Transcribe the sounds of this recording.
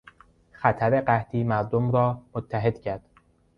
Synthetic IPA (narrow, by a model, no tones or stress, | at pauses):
xæt̪ʰæɾe̞ɢæht̪ʰiːmæɾd̪omɾɒːmot̪ʰːæɦe̞d̪̥cʰæɾd̪̥